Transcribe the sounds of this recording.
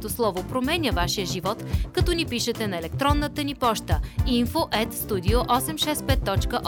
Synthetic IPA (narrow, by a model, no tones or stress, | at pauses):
t̪oslˠɔvopɾomɛnʲəvaʃijəʒivɔt̪kɐt̪ɔnipiʃət̪ɛnɐɛlɛk̚t̪ɾɔnːət̪ənipɔʃt̪əinfoʔɛt̪st̪ud̪ioʔɔsɛmʃɛspɛt̪ːɔt͡ʃkəʔ